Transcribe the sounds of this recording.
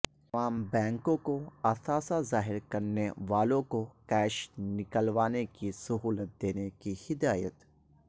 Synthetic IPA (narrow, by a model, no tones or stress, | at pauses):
ɐʋaːmbɛ̃ːŋkõkoɐsaːsazaːɦɪɾkɐɾneʋaːlõkokɛːʃnɪkəlʋaːnekisɐɦuːlət̪̚d̪eːnekihɪd̪aːjə̰t̪